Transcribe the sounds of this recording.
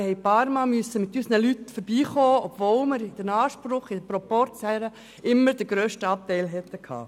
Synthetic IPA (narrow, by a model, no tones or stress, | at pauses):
hɛɪpɑːɾmɑːmyəsəmɪt̪ysənəlytfɔɾb̥iːχoːɔbvoːlmɪɾɪd̥ənɑːʃpɾʊχɪd̪əpɾɔpɔɾt͡sɛɾə | ɪmːəɾd̥əɡ̥ɾøːʃtəɑp̚t̪ɛɪlɦɛt̪ːəkʰhɑ̰ː